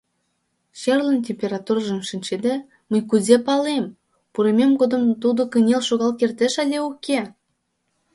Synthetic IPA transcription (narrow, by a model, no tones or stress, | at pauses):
ɕerlə̆ntʲemʲpʲeɾɑt̪urɑʒə̆mʃinʲt͡ɕed̪e | məjkuzʲepɑlem | puɾemʲemkod̪ə̆mt̪ud̪okənʲelʃoɣɑlˠkert̪eʃɑlʲeukʲʰe